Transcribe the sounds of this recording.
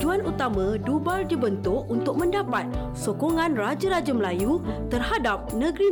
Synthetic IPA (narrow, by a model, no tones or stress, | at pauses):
d͡ʒuanut̪amãdubaldibənt̪ʊkunt̪ʊk̚mə̃ndapat̪̚ | sokoŋãnrad͡ʒaɾad͡ʒaməlajut̪ərhadap̚nə̃ɡɾi